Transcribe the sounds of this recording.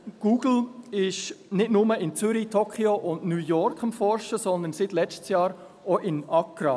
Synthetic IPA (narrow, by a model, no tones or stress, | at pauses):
ɡ̥uːɡ̥l̩ɪʃnɪtnʊməɪnt͡sʏɾitʰokʰioʔʊndnuːjɔɾkχɑmfɔɾʃəsɔnd̪ənsɪtlɛt͡ʃtsjɑːɾ | oʔɪnɑkɾɑ̰